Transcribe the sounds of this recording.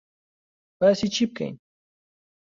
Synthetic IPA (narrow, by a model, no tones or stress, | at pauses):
pasɪt͡ʃɪp̚ka̰ŋ